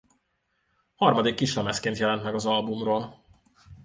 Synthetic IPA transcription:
hɒrmɒd̪ikːiʃlɛmɛskeːnt̪jɛlɛnt̪mɛɡɒzɒlbumroːl

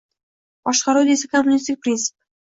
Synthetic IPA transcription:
b̥ɒʃqɑɾud̪esɪkʰomːʊnʲist̪ɪk̚ʲpɾʲint̪sɨ̥p

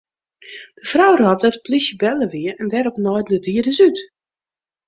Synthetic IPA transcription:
d̥əfrɔwrɔp̚dɔtə̥plisjəbɛləʋiəɛndɛɾɔpnɔjdlədiədəsyt

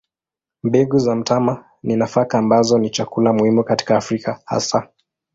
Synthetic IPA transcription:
mbɛɡuzam̩tama | ninafakaːmbazɔnit͡ʃakulamuhimukati̥kaːfɾikaha̰sa

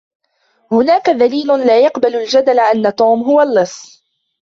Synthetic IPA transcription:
hʊnaːkaðaliːlʊlaːjɑqbalald͡ʒad̪alʔanːat̪uːmɦʊwalːɨsˤː

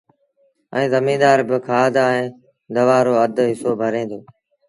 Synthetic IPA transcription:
ɛ̃ːzəmĩːd̪aːɾbɪkʰaːd̪aːẽː | d̪əʋaːɾoːəd̪ʱɦɪsoːbʱəɾẽːnd̪oː

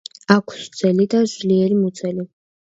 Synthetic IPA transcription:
akʷʰszɛlid̪azliɛɾimut̪sʰɛli

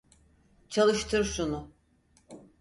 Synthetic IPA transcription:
t͡ʃʰalˠɯʃt̪ʰɯɾʃunu

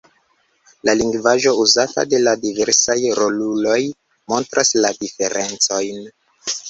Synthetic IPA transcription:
laliŋɡvaʒo̞uzata̰de̞ladive̞ɾsajɾo̞lulo̞j | mo̞ntɾʔasladife̞ɾʔe̞nt͡so̞jn

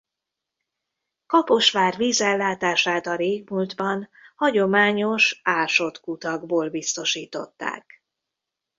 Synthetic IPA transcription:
kɒpo̞ʃʋaːrviːzɛlːaːt̪aːʃaːt̪ɒɾeːɡmuld̪bɒnhɒɟo̞maːɲo̞ʃaːʃo̞t̪kut̪ɒɡboːlbist̪o̞ʃiːt̪o̞̰t̪ːa̰ːk

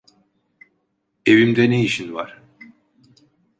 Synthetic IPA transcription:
e̞vimd̪ɛnejiʃinvaɾ̥

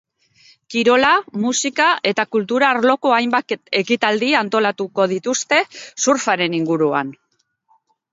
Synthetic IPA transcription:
kiɾo̞lamusikae̞t̪akult̪uɾaːɾlo̞ko̞ajmbake̞kit̪ald̪iant̪o̞lat̪uko̞ð̞it̪ust̪e̞suɾfaɾe̞niŋɡuɾua̰n

